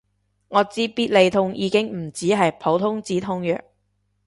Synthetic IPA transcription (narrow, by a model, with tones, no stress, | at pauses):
ŋɔː˨˧t͡siː˥piː˥t̚le˨jt̪ʰʊ˧ŋjiː˨˧kɪ˥ŋm̩˨˩t͡siː˨˥ɦɐ˨jpʰo˨˥wt̪ʰʊ˥ŋt͡siː˨˥t̪ʰʊ˥ŋjœ̰ː˨k̚